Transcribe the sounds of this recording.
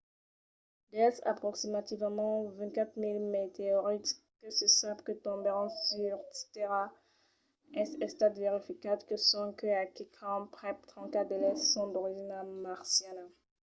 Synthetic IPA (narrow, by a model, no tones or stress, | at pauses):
d̪ɛlsa̰pχɔksimat̪ivmɑ̃vɛ̃kat̪χmilmet̪eɔʁit̪ | kəsəsabkət̪ɔ̃bəʁɔ̃syʁtt̪eʁa | ɛ̃sɛ̃st̪ad̪veʁifikad̪kəsɔ̃kəakikʰɑ̃pχɛp̚t̪χɑ̃kad̪elɛssɔ̃d̪ɔʁiʒinamaʁsjana